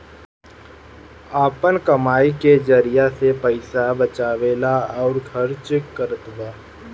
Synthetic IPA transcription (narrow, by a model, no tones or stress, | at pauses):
aːpənkɐmaːiked͡ʒəɾijasepəɪsabət͡ʃaːʋeːlaɔːɾɡʰʱəɾt͡ʃkːəɾət̪waː